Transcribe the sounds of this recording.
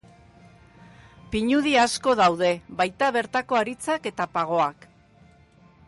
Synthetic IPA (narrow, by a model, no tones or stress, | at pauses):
piɲuð̞iasko̞ð̞awð̞e̞βajt̪aβ̞e̞ɾt̪ako̞aɾit͡sake̞t̪apaɣ̞o̞ak